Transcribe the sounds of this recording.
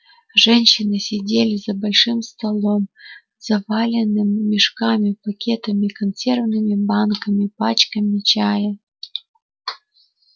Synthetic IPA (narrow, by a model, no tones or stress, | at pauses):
ʐɛnʲɕɪnɨsʲɪdʲelʲɪzɐbɐlʲʂɨmst̪ɐlˠom | z̥ɐvalʲɪnːɨmːʲɪʂkamʲɪpɐkʲet̪ɐmʲɪkɐnsʲervnɨmʲɪbankɐmʲɪpat͡ɕkəmʲɪt͡ɕajə